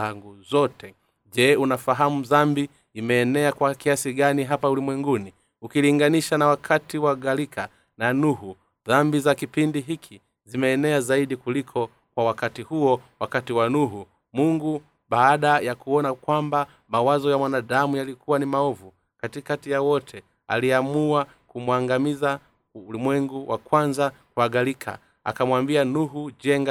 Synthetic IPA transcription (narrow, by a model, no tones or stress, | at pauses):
aŋɡuzɔtʰɛ | ʄɛunafaɦamuzambi | imɛːnɛakwakiasiɠaniɦapaulimwɛŋɡuni | ukiliŋɡaniʃanawakʰatiwaɡalikʰa | nanuhu | ðambizakipindiɦikʰi | zimɛːnɛazaiɗikulikʰɔ | kwawakatihuɔwakatiwanuɦu | muŋɡu | baːɗajakuɔnakwamba | mawazɔjamwanaɗamujalikʰuwanimaɔvu | katikatijawɔtʰɛ | a̰liamua | kumwaŋɡamiza | ulimwɛŋɡuwʔa̰kwanzakwaɡalikʰa̰ | a̰kamwambianuɦud͡ʒɛŋɡa